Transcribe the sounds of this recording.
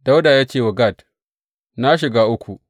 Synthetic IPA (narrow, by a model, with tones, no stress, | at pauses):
da˦wdaː˨jaː˦t͡ʃeː˦˨wɐ˨ɡa˦˨d | na˦ʃɪ˨ɡaː˦ʔʊ˦kʷu˨